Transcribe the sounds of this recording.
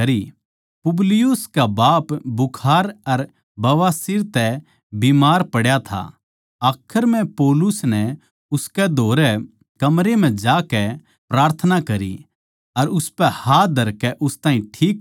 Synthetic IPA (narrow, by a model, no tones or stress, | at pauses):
ɐɾi | pʊblɪjʊskabaːpbʊkʰaːɾɐɾ | bɐʋaːsiɾt̪ɛ | bimaːɾpɐɽjat̪ʰa̰ | aːkʰəɾmɛ̃poːlʊsnɛ | ʊskɛd̪ʱoːɾɛ | kɐmɾem̤ɛ̃d͡ʒaːkɛ | pɾaːɾt̪ʰənakɐɾḭ | ɐɾʊspɛhaːd̪ʱɐɾkɛʔʊst̪ãːɦĩʈʰiːk